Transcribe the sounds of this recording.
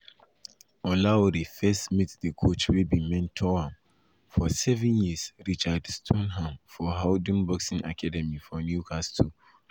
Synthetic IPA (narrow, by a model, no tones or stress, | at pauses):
ɔlaɔɾifɛstmitdəkʰot͡ʃwibĩmɛ̃ntʰɔwãm | fɔsɛvɛ̃njisɹit͡ʃadstʰɔ̃nɦãmfɔɦaʊdĩnbɔksĩŋʔa̰kʰadɛmifɔnjukʰastʰu